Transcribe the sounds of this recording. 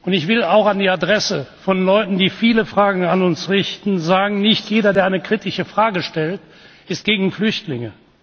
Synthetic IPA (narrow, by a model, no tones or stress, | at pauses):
ʔʊntɪçv̥ɪlaʊxandiːadʁɛsəfɔnlɔʏtn̩diːfiːləfʁ̥aːɡŋ̩anʊnsʁɪçtn̩zaːɡŋ̩nɪçtjeːdɐdeːɐʔaɪnəkʁ̥itɪʃəfʁ̥aːɡəʃtɛlt | ʔɪst̚ɡ̥eːɡŋ̩flʏçtlɪŋə